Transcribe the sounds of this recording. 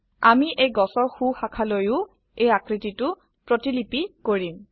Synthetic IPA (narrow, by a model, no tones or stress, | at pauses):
amiʔejɡɔsɔɹxuxakʰalojʊ | ejakɹititʊ | pɹotilipikoɹim